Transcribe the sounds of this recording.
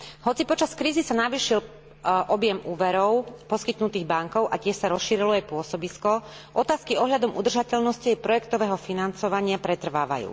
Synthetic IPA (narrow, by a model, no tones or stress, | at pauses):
ɦɔt͡sipɔt͡ʃaskɾiːzisanaʋiːʃil | ʔɔbjɛmuːʋɛɾɔʊpɔskit̪nut̪iːɣbaŋkɔʊʔacɪɛʃsaɾɔsʃiɾilɔajpʊɔsɔbiskɔ | ʔɔt̪aːskiɔɦʎad̪ɔmud̪r̩ʒacɛʎnɔsciɛjpɾɔjɛkt̪ɔʋɛːɦɔfinant͡sɔʋaɲɪapɾɛt̪r̩ʋa̰ːʋa̰jṵː